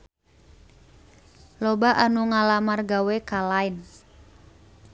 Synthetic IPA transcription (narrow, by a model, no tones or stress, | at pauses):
lɔbaʔanuŋalamarɡawekalaɪn